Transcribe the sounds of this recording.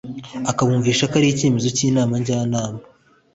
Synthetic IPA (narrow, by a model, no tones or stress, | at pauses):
akaβuːɱviːʃakaɾijice̞mezo̞ciːnaːmaɲɟaːnaːma